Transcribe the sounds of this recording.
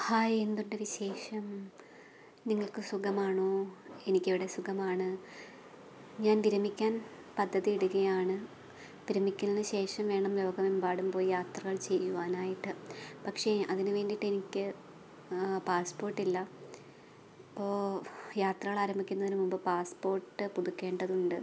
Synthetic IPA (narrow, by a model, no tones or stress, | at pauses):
haːje̞nd̪unɖeʋiɕe̞ːʂɐm | niŋːɐɭkɨsuɡɐmaːɳoːe̞nikʲːeʋiɽesuɡɐmaːɳɨ | ɲaːnʋiɾɐmikʲːaːn | pɐd̪ʱːɐðiiɽuɣɐjaːɳɨ | ʋiɾɐmikʲːunːɐðɨɕe̞ːʂɐmʋe̞ːɳɐmlo̞ːɡɐmembaːɽumpoːjijaːt̪rɐɣɐɭt͡ɕe̞jːuʋaːnaːjiʈːɨpɐkʂe̞ɐðinɨʋe̞ːɳɖiʈːe̞nikʲːɨ | paːspo̞ːrʈːilːɐ | ipːo̞ːjaːt̪rɐɣɐɭaːɾɐmbʱikʲːunːɐðinɨmumbɨpaːspo̞ːrʈːɨpuðukʲːe̞ːɳɖɐðuɳɖɨ